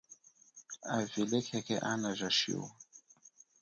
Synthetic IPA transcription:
avilɛkʰɛkʰɛ̰ʔanaʒaʃḭwa

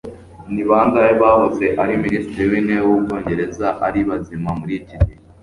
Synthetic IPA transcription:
niβaːŋɡajeβahoze̞ʔaɾiminiːstiɾiwiːneβwubɡo̞ːɲɟe̞ɾe̞zaʔaɾiβazimamuɾicidi

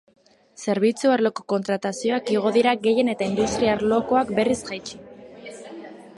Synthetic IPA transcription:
se̞ɾβ̞it͡suaɾlo̞ko̞ko̞nt̪ɾat̪asio̞akiɣ̞o̞ðiɾaɣe̞je̞ne̞t̪aind̪ust̪ɾiaɾlo̞ko̞akbe̞rizɣajt͡ʃi̥

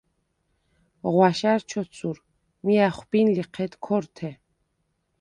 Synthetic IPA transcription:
ʁwaʃaɾt͡ʃʰɔt͡sʰuɾ | miaχʷbinliqʰɛd̪kʰɔɾt̪ʰɛ

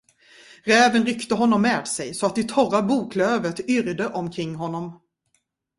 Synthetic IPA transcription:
ɾɛːvənɾʏkt̪əɦɔnːɔmːeːd̪sɛjsɔat̪̚d̪ɛt̪ʰɔrabuːkʰløːvət̪ʏɾd̪əʔɔmkʰɾɪŋːɦɔnːɔm

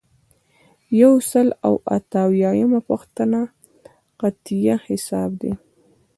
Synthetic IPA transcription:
jawsəla̰wa̰t̪awjɑjamapəxt̪əna | qat̪ijahɪsɑbd̪e

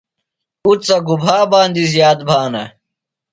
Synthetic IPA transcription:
ut͡sɐɡubʱaːbaːnd̪izjaːd̪̚bʱaːnɐ̰

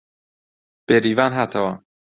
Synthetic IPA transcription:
b̥eɾivanɦat̪ʰɐwa

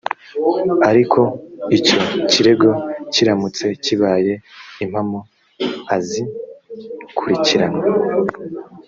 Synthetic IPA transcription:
aɾikʰo̞ico̞ciɾe̞ɡo̞ciɾamut͡se̞ciβaːje̞im̥hamo | azi | kʰuɾiciɾana

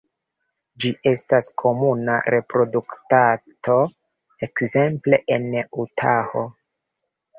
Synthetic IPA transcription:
d͡ʒiʔe̞staskʰo̞muna̰ɾʔe̞pɾo̞duktatʰo̞ | ekze̞mple̞ʔenutʰaho̰

